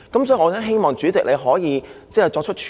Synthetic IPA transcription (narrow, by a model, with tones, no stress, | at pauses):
kɐ˨˥msɔː˨˧˥ŋɔː˨˧t͡sɛː˥nɦe˥jmɔː˨ŋt͡ʃyː˨˥t͡sɪ˨k̚le˨˧jɦɔː˨˥jiː˨˧t͡sɛː˥˩t͡sɔː˧k̚t͡ʃʰt̚t͡ʃʰ